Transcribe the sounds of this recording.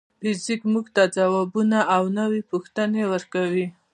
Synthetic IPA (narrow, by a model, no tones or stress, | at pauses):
fɪzikmuɡt̪ad͡zawabunaʔawnəwepuxt̪ənewəɾkawi